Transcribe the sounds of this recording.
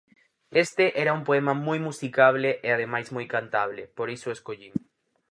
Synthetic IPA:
est̪eʔɛɾaumpoɛmamojmusikaβ̞leʔeað̞emajzmojkant̪aβ̞lepoɾisoeskoʎiŋ

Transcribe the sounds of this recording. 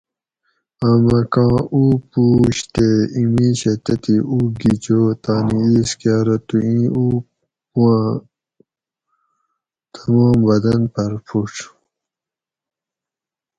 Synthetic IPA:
amɐkãːuːpuːɕt̪eimiːɕet̪et̪iʔuːɡid͡ʑoːt̪aːniiːskaːɾot̪uĩːuː | puã | t̪ʰɐmɔːmbɐd̪ɐnpɐɾpʰuʈ͡ʂʰ

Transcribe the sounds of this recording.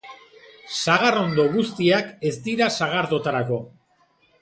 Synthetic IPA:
saɣaro̞nd̪o̞ɣust̪iake̞zd̪iɾasaɣ̞aɾðo̞t̪aɾako̞

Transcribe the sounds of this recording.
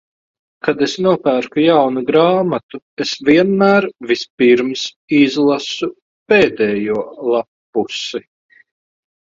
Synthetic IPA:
kad̪esnuɔpæːɾkujawnuɡɾaːmat̪u | esviɛnmæːɾvispiɾms | izlˠasu | peːd̪ɛːjuɔlˠapː | usi

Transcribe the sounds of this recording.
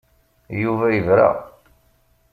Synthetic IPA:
juvæjəvɾa̰

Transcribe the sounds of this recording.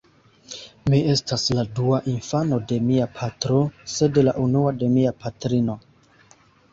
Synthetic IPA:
mie̞stasladuaʔinfano̞de̞miapʰatɾo̞se̞delaʔunuade̞miapatɾino̞

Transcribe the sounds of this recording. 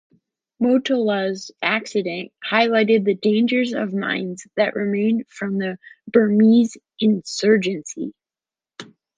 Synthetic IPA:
moʊtələzæksɨɾɨ̃nʔ̚haɪlaɪɾɨd̪̚ðɨdẽɪ̃nd͡ʒə˞zʌ̰vmã̰ɪ̃ndzðɨʔɹʔɨmẽɪ̃nd̥fɹʌ̃mðɨbə˞miz | ʔɨ̃nsɜ˞d͡ʒɨ̃nsḭ

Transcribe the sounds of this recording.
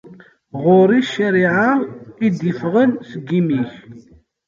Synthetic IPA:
ʁʊɾˤiʃːəɾiʕaid̪jəfʁənsəɡːimiç

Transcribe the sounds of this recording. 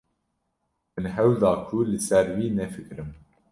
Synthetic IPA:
mɨnɦɛwd̪ɑːkʰulɨsɛɾwiːnɛfɨkɾɨm

